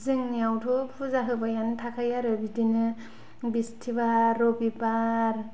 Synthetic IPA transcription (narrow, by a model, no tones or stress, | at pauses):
zɯŋniawtʰɔpʰuzaɦɯbajantʰakʰajaɾɯbidinɯ | bistʰibaɾɔbibaɾ